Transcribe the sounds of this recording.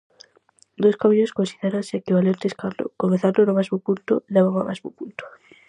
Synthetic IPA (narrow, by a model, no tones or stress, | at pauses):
d̪oskamiʎoskonsiðeɾanseekiβalent̪eskaɾlo̰koŋeθaɾlonomazmupult̪oleβaŋa̰mazmupult̪o̥